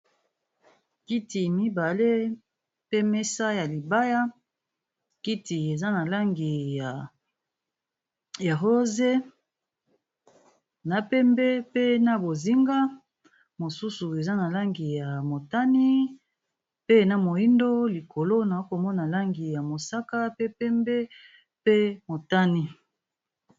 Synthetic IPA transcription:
ki˦ti˨mi˦ba˨le˦ | pe˦mɛ˦sa˦ja˨li˨ba˦ja˦ | ki˦ti˨e˨za˦na˨la˦ŋɡi˨ja˨ | ja˨ɦo˦ze˦ | na˨pɛ˦mbɛ˦pe˦na˦bo˨zi˦ŋɡa˦ | mo˨su˦su˨e˨za˦na˨la˦ŋɡi˨ja˨mo˨ta˦ni˦ | pe˦na˨mo˨i˦ndo˦li˨kʰo˨lo˦na˨o˦ko˨mɔ˦na˨la˦ŋɡi˨ja˨mo˨sa˦ka˦pe˦pɛ˦mbɛ˦ | pe˦mo˨ta˦ni˦

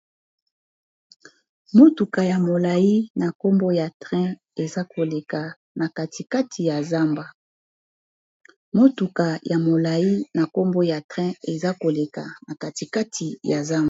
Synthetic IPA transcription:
mo˦tu˨ka˨ja˨mo˨la˨ji˦na˨ko˦mbo˦ja˨tʁɛ̃˦ | e˨za˦ko˨le˨ka˨ | na˨ka˨tʰi˨ka˦tʰi˨ja˨za˦mba˨ | mo˦tu˨ka˨ja˨mo˨la˨ji˦na˨ko˦mbo˦ja˨tʁɛ̃˦e˨za˦ko˨le˨ka˨na˨ka˨ti˨ka˦tʰi˨ja˨za˦m˦

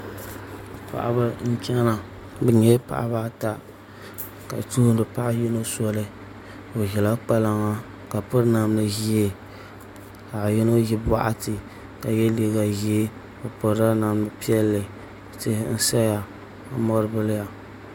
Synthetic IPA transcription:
a˨pa̰˨ʔa̰˨ba˦n̩˦t͡ʃʲɛ˦na˨ | bɨ˨ɲɛ˦pa̰˨ʔa̰˦ba˦ta˦ | ka̰˨tu˦n˦dɨ˨pa˦ʔa˦ji˦no˦sɔ˦lɨ˦ | o˨ʒɛ˨la˦k͡pa˦la˦ŋa˦ | ka˨pʊ˦ɾna˨mnɨ˦ʒi˦e˦ | ka˨ji˦no˦ji˦ba̰˦ʔa̰˦tɨ˨ | ka˨jɛ˦li˨ɡa˨ʒi˦e˦ | bɨ˨pɔ˨ɾa˦na˨mɨ˨pi˦ɛ˦lːɨ˨ | te˦hn̩˦sa˦ja˨ | a˨˦mɔ˦ɾɨ˦bɨ˦lɪ˦ja˨

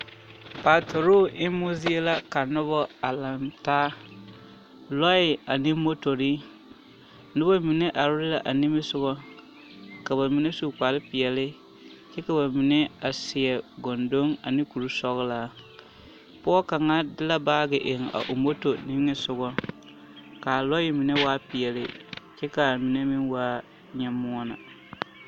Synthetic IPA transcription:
paː˨tʰo˨ɾo˦ʔɪ˦mu˦zi˦e˦la˦ka˨nʊ˦bɔ˦a˨la˨mtaː˦ | lɔ˦ɪ˨a˨nɪ˦mo˦to˨ɾi˦ | nʊ˦bɔ˦mi˨ne˦ʔa˨ɾʊ˦ɾɪ˦la˨ʔa˨ni˦mɪ˦sʊ˦ɣɔ˦ | ka˨ba˨mi˨ne˦su˦˨k͡pa˨lɪ˦pɪ˨ɛ˨lɪ˦ | t͡ʃɛ˦ka˨ba˨mi˨ne˦a˨sɪ˨ɛ˨ɡɔ˨ndo˦ŋa˨nɪ˦ku˨ɾu˦sɔ˦ɣla˨ | pɔ˦ɔ˦ka˨ŋa˦dɪ˦la˦baː˦ɡɪ˨ʔɪ˨ŋa̰˨ʔo˨mo˦to˨nɪ˦ŋɪ˦sʊ˨ɡɔ˦ | ka˨lɔ˦jɪ˦mi˨ne˦waː˦pɪ˨ɛ˨lɪ̰˦t͡ʃɛ˦ka˨mi˨ne˦mɪ˦nwaː˦ | ɲɛ˨mʊ˦ɔ˦na̰˨

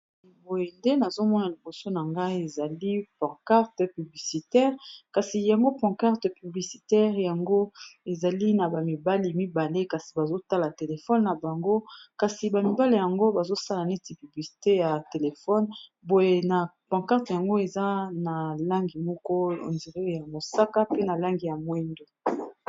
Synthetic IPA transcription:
bo˨je˨nde˦na˨zo˦mɔ˦na˨li˨bo˨so˦na˨ŋɡa˦i˦e˨za˨li˦pã˨ka˦ʁtə˨py˨bli˨si˨tɛ˦ʁka˨si˨ja˨ŋɡo˦pɔ̃˨ka˦ʁtə˨py˨bli˨si˨tɛ˦ʁja˨ŋɡo˦e˨za˨li˦na˨ba˨mi˨ba˦li˨mi˦ba˨le˦ka˨si˨ba˨zo˦ta˦la˨te˨le˨fɔ˦nːa˨ba˨ŋɡo˦ka˨si˨ba˨mi˨ba˦le˦ja˨ŋɡo˦ba˨zo˦sa˦la˨ne˦ti˨py˨bli˨si̥˨te˦ja˨te˨le˨fɔ˦nbo˨je˨na˨pã˨ka˦ʁtja˨ŋɡo˦e˨za˦na˨la˦ŋɡi˨mɔ˦kɔ˦o̰˨ndi˨ʁe˦˨ja˨mo˨sa˦ka˦pe˦na˨la˦ŋɡi˨ja˨mwɛ˦ndo˨

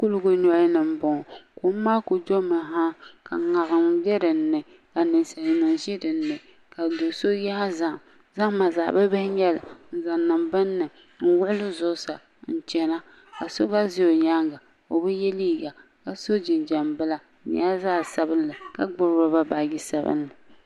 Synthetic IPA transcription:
ku˦lʊ˦ɡʊ˦n˦ɔ˦nɨ˨m̩˦bɔ˨ŋɔ˨ko˨˦maː˦ko˨do˦mɨ˨ɦa˦ka˨ŋa˨ɣɨ˨mdɛ˦dɨ˨n̩˦nɨ˨ | ka˨nɨ˨nsa˨li˨nɨ˨ŋʒi˦dɨ˨n̩ː˦ɨ˨ | ka˨do˨so˦ja˦ha˦za˦˨ŋ˨ | za˦ŋ˦ma˨za̰ː˨ba˦bɛ˦hɲɛ˦la˨n̩˨za˨nː˨ɨ˨mbɨ˦nːɨ˨ | n̩˦wʊ˦ʔʊ˦lɨ˦zʊ˦sa̰˨ | n̩˨t͡ʃɛ˨na˦ | ka˨so˦ɡa˦zɪ˦jo˨ɲa˦ŋɡa˨ | o˨bɨ˦jɛ˦liː˦ɡa˨ | ka˨so˦d͡ʒɪ˨nd͡ʒɛ˨mbɨ˦la˦˨˦ɲa˦a˦zaː˦sa˦bɨ˦nlɨ˨ka˦ɡ͡bʊ˦ɾa˦ba˦ba˨ɡi˦sa˦bɨ̰˦nːɨ˨

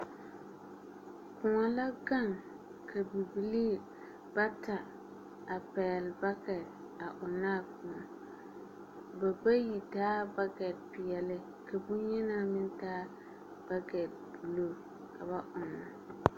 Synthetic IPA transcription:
kʊ˨ŋɔ˨la˦ɡa˦˨ŋ | kʰa˨bi˨bi˨liː˦˨ | ba˦ta˨ | a˨pɛː˨lba˦kɛ˨t | a˨ʔʊ˨naː˦˨kʊ˨ŋɔ˨ | ba˨ba˦ji˨taː˦ba˦kɛ˨t̚pɪ˨jɛ˨lɪ˦ | ka˨bʊ˦ɲɛ˦na˦˨mɪ˦ntaː˦ | b̥a˦ɡɛ˨t̚bu˨lo˦˨ | ka˨ba˦ʔʊ˨na˨

